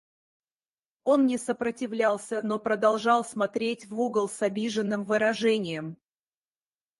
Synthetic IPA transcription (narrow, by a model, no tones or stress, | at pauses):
o̞nnʲɪsəpɾətʲɪvlʲalˠsʲəno̞pɾəd̪ɐlˠʐɑlˠsmɐt̪ɾʲetʲvuɡəlˠsɐbʲiʐɨnːɨmvɨɾɐʐɛnʲɪjəm